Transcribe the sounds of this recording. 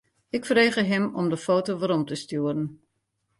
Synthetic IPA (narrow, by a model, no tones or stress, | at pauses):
ɪkfəreːɣəɦɪmɔmdəfoːtoʋaɾɔmtəstuəɾən